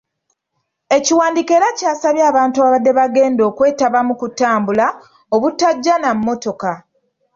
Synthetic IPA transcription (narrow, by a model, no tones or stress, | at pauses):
e̞ciwaːndike̞ːɾacaːsaβjaːβaːntuaβadːe̞βaɡe̞ːndo̞ːkwe̞ːtaβamukutaːmbula | oβutːaɟːanamːo̞to̞ka